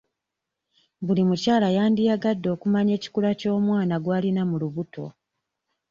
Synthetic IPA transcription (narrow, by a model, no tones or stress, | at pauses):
βulimucaːlajaːndijaɡadːo̞ːkumaɲe̞ːci̥kulaco̞ːmwaːnaɡwaːlinamuluβuto̞̰